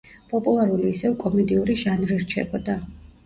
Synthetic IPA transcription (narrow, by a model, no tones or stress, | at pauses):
pʼɔpʼulˠaɾuliːsɛvkʼɔmɛd̪iuɾiʒanvɾiɾt͡ʃʰɛ̰bɔd̪a